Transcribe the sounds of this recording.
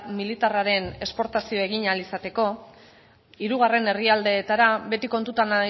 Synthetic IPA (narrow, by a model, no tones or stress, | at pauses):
milit̪araɾe̞ne̞spo̞ɾt̪asio̞e̞ɣ̞iɲalisat̪e̞ko̞ | iɾuɣ̞are̞ne̞riald̪e̞ːt̪aɾaβe̞t̪iko̞nt̪ut̪ana